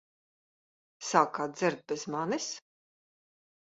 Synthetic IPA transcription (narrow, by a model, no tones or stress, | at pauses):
saːkaːdd̪zɪɾd̪̚bɛzmanis